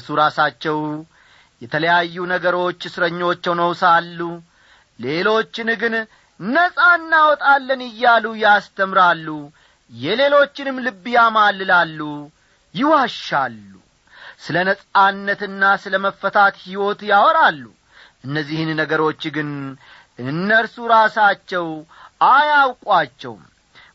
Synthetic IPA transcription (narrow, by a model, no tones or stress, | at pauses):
suɾasat͡ʃːɛw | jɛt̪ʰələjajːunəɡəɾo̞t͡ʃːɨsɨɾəɲːo̞t͡ʃːɛwnəwsalːu | le̞lo̞t͡ʃːɪnɡɨn | nəsʼaɨnːawɔt̪ʼalːənɨjːalujast̪ʰəmɾalːu | jɛle̞lo̞t͡ʃːɪnɨmːlɨbːjamalːɨlalːu | jɪwaʃːalːṵ | sɨlənəsʼanːət̪ɨnːasɨləməfːət̪ʰat̪hiwo̞t̪jawɔɾalːṵ | ʔɨnːəzːihɨnːəɡəɾo̞t͡ʃːɡɨn | ʔɨnːəɾsuɾasat͡ʃːɛw | ajawkʼat͡ʃːɛ̰w̰m